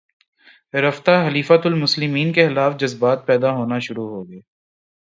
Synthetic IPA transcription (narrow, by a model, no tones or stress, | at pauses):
ɾɐft̪aɦɐliːfat̪ʊlmʊslɪmiːnkexɪlaːfd͡ʒɐzbaːt̪̚pɛːd̪aɦoːnaʃʊɾuɦoːɡeː